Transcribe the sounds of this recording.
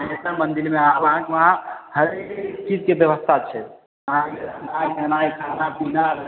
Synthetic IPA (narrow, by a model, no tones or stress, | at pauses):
et̪əmənd̪iɾmeabɦãkeʋəɦãhəɾekt͡ʃid͡ʒkebjəbəst̪ʰat͡ʃʰɛ | ɦãkenakenajkʰanapina